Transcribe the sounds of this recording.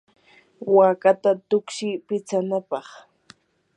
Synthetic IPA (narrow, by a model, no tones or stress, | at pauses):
wakat̪at̪ʊkʃɪpɪt͡sanapɑχ